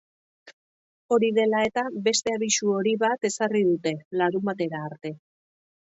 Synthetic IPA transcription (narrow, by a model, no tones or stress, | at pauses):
o̞ɾiðe̞lae̞t̪abe̞st̪e̞aβisuo̞ɾiβat̪e̞sarið̞ut̪e̞laɾumat̪e̞ɾaːɾt̪e̞